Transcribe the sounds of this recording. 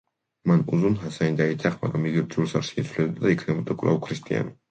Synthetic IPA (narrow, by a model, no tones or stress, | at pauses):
manuzunɦasaind̪ait̪ʰaχma̰ɡɾamiɡiɾd͡ʒulsaɾʃiit̪sʰulɛbd̪ad̪aikʰnɛbɔd̪akʼlˠa̰wkʰɾist̪ʼia̰n